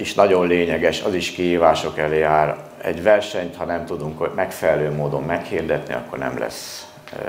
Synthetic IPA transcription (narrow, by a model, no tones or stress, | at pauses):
iʃnɒɟo̞nleːɲɛɡɛʃɒziʃkiɦiːvaːʃo̞kɛleːaːɾ | ɛ̰ɟʋɛrʃɛɲt̪hɒnɛmt̪ud̪uŋkmɛkfɛlɛløːmoːd̪o̞mːɛkhiːrd̪ɛt̪nḭɒ̰kːo̞rnɛ̰mlɛ̰sː